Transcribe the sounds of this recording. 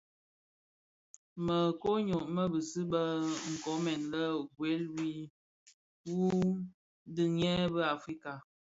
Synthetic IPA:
mə˨ko˦ɲo˨ʔmə˦bə˨sɨ˦bə˦ŋ̩˨kɔ˨˦mɛ˨nlə˦ɡwe˨˦lwi˦ | wu˦ | dɨ˨ŋ˦ɛ˦bə˦a˨fɾi˦ka˨

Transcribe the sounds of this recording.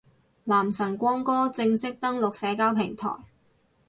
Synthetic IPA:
laː˨˩msɐ˨˩ŋkʷɔː˥ŋkɔː˥t͡sɪ˧ŋsɪ˥k̚t̪ɐ˥ŋlʊ˨k̚sɛː˨˥kaː˥wpʰɪ˨˩ŋt̪ʰɔ̰ː˨˩j

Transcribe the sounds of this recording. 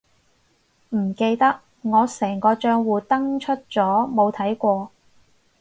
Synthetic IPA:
m̩˨˩ke˧jt̪ɐ˥k̚ | ŋɔː˨˧sɛː˨˩ŋkɔː˧t͡ʃœː˧ŋwuː˨t̪ɐ˥ŋt͡ʃʰɵ˥t̚t͡sɔː˨˥mo˨˧wt̪ʰɐ˨˥jkʷɔː˧

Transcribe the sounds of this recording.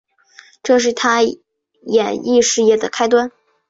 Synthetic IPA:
ʈ͡ʂɤ˥˧ʂ̬ɻ̩˥˩t̪ʰa˥ | jɛ˨˩ni˥˧ʂɻ̩˥˧jɛ˥˩d̪ə˩kʰa˥ɪt̪̬wa˥n

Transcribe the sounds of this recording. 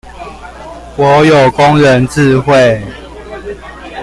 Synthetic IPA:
wɔ˨˦jo˨˩ʊkʊ˦ŋɻə˨˦nt͡s̩˥˧xwe˥˨ɪ

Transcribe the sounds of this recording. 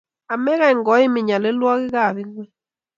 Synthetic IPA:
a˨mɛ˦ɣa˦˨ŋɡɔ˨˦i˦mɪ˨ɲa˨le˨˦lwɔ˦ɣɪ˦ɣa˦˨ði˦ŋwɛ˦

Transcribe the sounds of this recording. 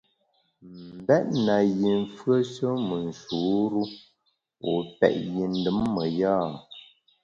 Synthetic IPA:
m̩˨bɛ˦ʔ̚na˨ji˨ɱ˨fɰə˦ʃə˦mə˨n̩˨ʃu˨˦ɾu˦ | o˨pɛ̰˨ʔji˨n̩˦dɨ˦mːə˨jaː˦

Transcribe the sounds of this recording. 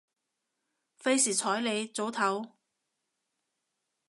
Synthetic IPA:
fe˥jsiː˨˩t͡sʰɔː˨˥jle˨˧jt͡so˨˥wt̪ʰɐ˨˥w

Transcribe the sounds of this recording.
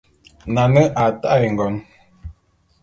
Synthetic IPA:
na˨nə˦ʔa˨ta˦ʔjŋ̩˨ɡɔ˨n

